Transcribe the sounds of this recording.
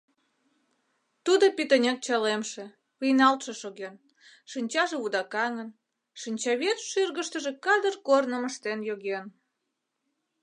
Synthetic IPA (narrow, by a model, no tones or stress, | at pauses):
t̪ud̪opit̪ənʲek̚t͡ɕɑlemʃĕ | βɯjnɑlt̪ʃeʃoɣen | ʃinʲt͡ɕɑʒĕβud̪ɑkɑŋən | ʃinʲt͡ɕɑβet̪ʃyrɣəʃt̪ə̆ʒĕkɑd̪ərkornəməʃt̪enjoɣen